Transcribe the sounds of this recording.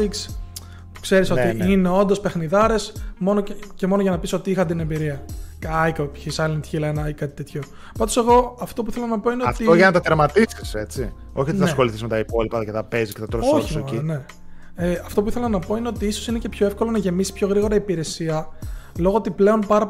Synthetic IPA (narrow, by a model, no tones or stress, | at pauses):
iks | pu̥kse̞ɾisoiine̞o̞nd̪o̞spe̞xniðɐɾe̞smo̞noce̞mo̞noʝɐnɐpiso̞t̪iixɐt̪inembiɾiɐɐjkopçisajlɐnt̪çilɐenɐikɐt̪it̪e̞t̪ço̞ | pɐnd̪ose̞ɣo̞ɐft̪opuiθelɐnɐpo̞ineoɐft̪ioʝɐnɐt̪ɐt̪eɾmɐt̪isiset͡si | o̞çioniθɐsxo̞liθizmet̪ɐipo̞lipɐlɐcet̪ɐpezisket̪ɐt̪ɾooçine̞ | eɐft̪o̞p̬uiθe̞lɐnɐpo̞ineo̞t̪iiso̞sine̞ce̞pçoefko̞lo̞nɐʝe̞misi̥pço̞ɣɾiɣo̞ɾɐipiɾe̞siɐlo̞ɣoot̪iple̞o̞npɐɾɐp